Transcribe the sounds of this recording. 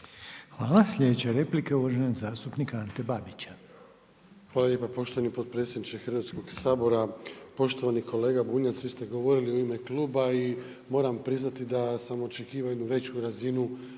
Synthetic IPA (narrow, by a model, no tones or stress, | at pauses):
xʋaːlaslʎʲed̪et͡ɕeɾe̞plikeuʋaʒenoɡzaːst̪upnikaant̪ebabit͡ɕḁ | xʋaːlaʎje̞ːpapo̞ʃt̪oanipo̞t̪̚pɾe̞t̪sʲje̞d̪nit͡ʃexrʋaːt̪sko̞ɡsaːbo̞ɾapo̞ʃt̪o̞ʋaniko̞le̞ːɡabuːɲat̪sʋiːst̪e̞ɡo̞ʋo̞ɾilioime̞klˠuːbai | mo̞ːɾampɾiznat̪id̪asamo̞t͡ʃekiːʋajnuʋe̞t͡ɕuɾazinu